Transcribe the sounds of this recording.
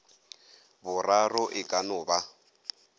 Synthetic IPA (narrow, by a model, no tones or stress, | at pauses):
bʊrarɔʔɪkʼanʊːba